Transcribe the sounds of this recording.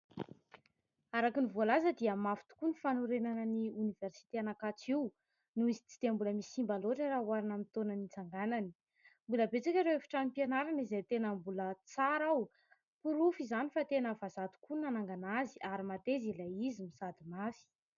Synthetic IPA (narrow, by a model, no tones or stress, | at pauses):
aɾakinivualazəd̪iəmafu̥t̪u̥kunifanuɾenanəniuniveɾsi̥t̪eanakat͡siw | nuizi̥t͡sid̪̥embuləmisimbaloʈ͡ʂəɾaɦwaɾanamit̪onanit͡saŋɡanani̥ | mbuləbet͡sikʲaɾeefi̥ʈ͡ʂanipienaɾanizejt̪enəmbulət͡saɾaw | puɾufizanifat̪enəvazat̪u̥kunanaŋɡanaziʔaɾimat̪ezilaizimisad̪imafi̥